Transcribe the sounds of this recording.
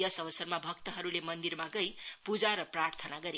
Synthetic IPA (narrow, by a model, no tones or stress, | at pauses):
jʌsʌβʌsʌrmabʱʌk̚t̪ʌɦʌɾulemʌnd̪irmaɡʌjpud͡zaɾʌprart̪ʰʌnaɡʌɾi